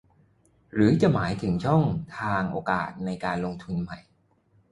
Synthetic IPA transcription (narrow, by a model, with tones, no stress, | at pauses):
ɾɯː˩˦t͡ɕa˨˩maː˩˦jt̪ʰɯ˩˦ŋt͡ɕʰɔ˥˩ŋt̪ʰaː˧ŋʔoː˧ka̰ː˨˩t̪̚na˧jkaː˧nlo˧ŋt̪ʰu˧nma˨˩j